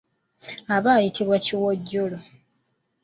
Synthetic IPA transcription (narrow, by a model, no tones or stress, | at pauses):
aβaːjitʰiβwaciwoɟːolo